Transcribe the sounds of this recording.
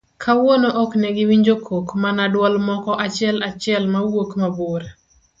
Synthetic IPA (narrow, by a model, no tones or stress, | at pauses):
kʰawonoʔɔknɛɡɪwiɲd͡ʒokʰokmanadwɔlmɔkɔʔat͡ʃɪɛlat͡ʃɪɛlmawokmaboɾe